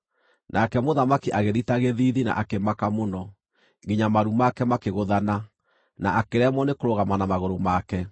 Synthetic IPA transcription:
nʔakɛmoðamakiʔaɣeðitaɣeðiðina̰ʔakemakamonɔ | ɡiɲamaɾumakɛmakeɣoðana | naʔakeɾɛmɔnekoɾoɣamanamaɣoɾomakɛ

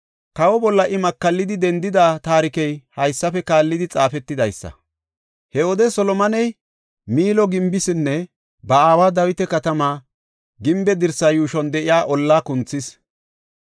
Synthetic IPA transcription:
kɐwɔbɔlːɐʔɪmɐkːɐlːɪd̪ɪd̪ɛnd̪ɪd̪aːt̪aːɾɪkɛjhɐjsːɐfɛkaːlːɪd̪ɪt͡sʼaːfɛt̪ːɪd̪ɐjsːɐ̰ | hɛwɔd̪ɛsɔlɔmɐnɛj | miːlɔɡɪmbɪsɪnːɛ | bɐaːwaːd̪ɐwɪt̪ɛkɐt̪ɐmaː | ɡɪmbɛd̪ɪɾsɐjuːʃɔnd̪ɛʔɪjaːʔɔlːaːkʊnt͡sːɪs

